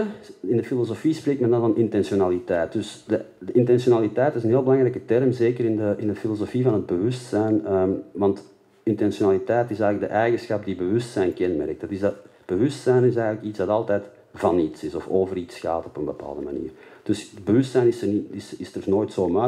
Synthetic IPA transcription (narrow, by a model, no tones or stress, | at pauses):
ɪndəfilozofispreːktmɛndɑnvɑnɪntɛnsonaːlitɛːt̚dʏsdə | dəɪntɛnsionaːlitɛjtɪsənɦeːlˠbəlɑŋrɛjkətɛrmzeːkərɪndəɪndəfilozofivɑnɦəd̚bəʋʏstsɛjnəʋɑnt | ɪntɛnsjonaːlitɛjtɪsɛjɣələɡ̚dəʔɛjɣəsxɑp̚dibəʋʏstsɛjnkɛnmɛ̰rk̚tdɑtɪzdɑt̚b̥əʋʏstsɛjnɪs̬ɛːɣənləkitzdɑtɑlˠtɛːt | v̥ɑnitsɪsɔfoːvəritsxa̰ːtɔpənbəpa̰ːlˠdəma̰nḭːrd̥ʏsədbəʋʏstsɛjnɪsəniɪsɪstərnoːjtsoːma